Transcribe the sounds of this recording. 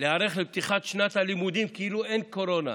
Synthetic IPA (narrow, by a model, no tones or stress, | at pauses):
leaɾeχleb̚t̪iχat̪ʃnat̪halimud̪imkiiluenkoɾo̞na̰